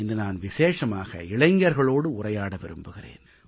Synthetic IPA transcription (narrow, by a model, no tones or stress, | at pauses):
ɪnd̪ɯnaːnʋɪseːʂɐmaːɣɐ̰ɪɭɐɪŋɡɐɾɣɐɭoːɽɯʊrɐjaːɽɐʋɪɾɯ̰mbɯɣɪrḛːn